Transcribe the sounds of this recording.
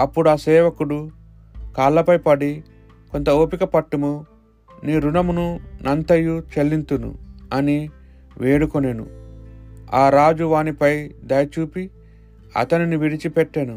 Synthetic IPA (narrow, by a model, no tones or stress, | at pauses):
ɐpːuɽuaːsɛːʋɐkuɽu | kaːlːɐpɐjpɐɽi | ko̞nt̪ɐoːpikɐpɐʈːimu | niːɾunɐmununɐnt̪ɐjːut͡ʃelːint̪unṵɐni | ʋeːɽukonenṵ | aːɾaːd͡ʒuʋaːnipɐjd̪ɐjɐt͡ʃuːpi | ɐ̰t̪ɐniniʋiɽit͡ʃipɛʈːenu